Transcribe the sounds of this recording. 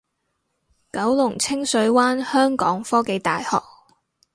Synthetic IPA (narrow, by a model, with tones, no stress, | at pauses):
kɐ˨˥wlʊ˨˩ŋt͡sʰɪ˥ŋsɵ˨˧˥ɥwaː˥nhœː˥ŋkɔ̰ː˨˥ŋfɔː˥ke˨˧jt̪a̰ː˨jhɔ̰ː˨k̚